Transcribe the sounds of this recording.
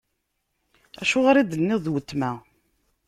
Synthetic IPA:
æ̰ʃʊʁaɾid̪ənːɪðˤwət̪ːmæ

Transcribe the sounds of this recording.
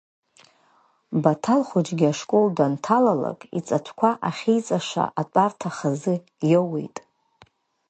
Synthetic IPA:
batʰalχud͡ʒɡʲiaʂkʷʼoldantʰalala̰kʼḭt͡sʼatʷʰkʷʰaʔaχʲijt͡sʼaʂa̰ʔat͡pʼartʰaχazɨ | jowḛjtʼ

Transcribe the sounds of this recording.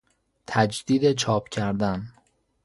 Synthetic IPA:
t̪ʰæd͡ʒd̪iːd̪e̞t͡ʃʰɒːpʰcʰæɾd̪æn

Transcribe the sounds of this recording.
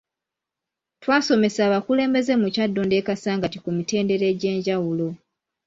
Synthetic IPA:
twaːso̞me̞saːβakule̞ːmbe̞ze̞mucadːo̞nde̞ːkasaːŋɡatikumite̞ːnde̞ɾe̞ɟe̞ːɲɟawulo̞

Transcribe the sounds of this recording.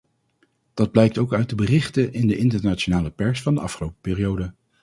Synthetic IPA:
d̥ɑd̚blɛjk̚towkœɥ̚dəbərɪχtəʔɪndəʔɪntəɹnaːt͡ʃonaːləpɛɹsfɑndəʔɑ̰fχəlowpə̥pɪːrijowdə

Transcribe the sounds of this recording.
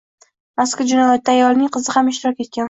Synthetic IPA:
askʲad͡ʒʊnajɒt̪̚ːaːjɒlnɪŋqʰɨzɪhamɪʃt̪ɪɾɒkʲe̞t̪̚kʲan

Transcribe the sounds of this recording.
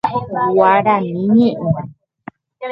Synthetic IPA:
waɾanĩɲẽʔũ

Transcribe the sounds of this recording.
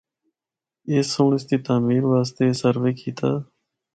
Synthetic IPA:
eːsõːɳɪst̪iːt̪aːmiːɾʋaːst̪eːsəɾʋeːkʰiːt̪aː

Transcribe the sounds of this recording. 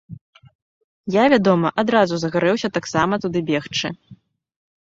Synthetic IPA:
javʲad̪ɔmɐʔad̪ɾazuzɐɣaɾɛwsʲɐt̪aksamɐt̪ud̪ɨbʲɛxt͡ʂɨ̰

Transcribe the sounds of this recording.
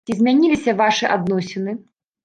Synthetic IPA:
izʲmʲanʲilʲisʲɐvaʂɨʔad̪nɔsʲɪnɨ

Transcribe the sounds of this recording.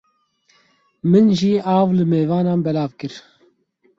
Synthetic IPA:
mɨnʒiːʔaːvlɨmeːvɑːnaːnbɛlaːvkɨɾ

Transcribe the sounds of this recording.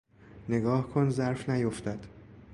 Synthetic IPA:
neɡɒːhkʰonzæɾfnæjoft̪æd̪̥

